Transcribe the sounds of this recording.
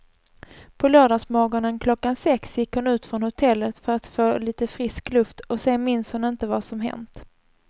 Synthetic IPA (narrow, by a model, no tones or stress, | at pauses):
pʰɔlœːɖɑːsmɔɡɔnənkʰlɔkːansɛksjɪkhʊnʉ̟ːt̪fɾɔnhʊt̪ʰɛlːət̪fœɾat̪foːliːt̪əfɾɪsklɵft̪ɔseːmɪnshʊnɪnt̪əvasɔmɦɛ̰nt̪